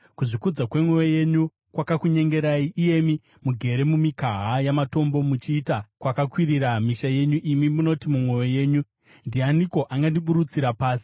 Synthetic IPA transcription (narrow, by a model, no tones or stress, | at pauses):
kuʐikud͡zakwe̞mwe̞weje̞ɲu | kwakakuɲe̞ŋɡeɾaiʔije̞mi | muɡʱe̞ɾe̞mumikaɦajamato̞mbo̞mut͡ʃiːtakwakakwiriɾamiʃaje̞ɲuʔimimuno̞timumwe̞weje̞ːɲu | ndianiko̞ʔaŋɡandiɓuɾut͡siɾapaːsi̥